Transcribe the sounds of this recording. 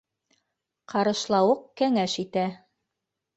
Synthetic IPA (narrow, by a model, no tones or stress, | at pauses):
qɑɾɤ̆ʃlˠɑwɤqkæŋæʃit̪æ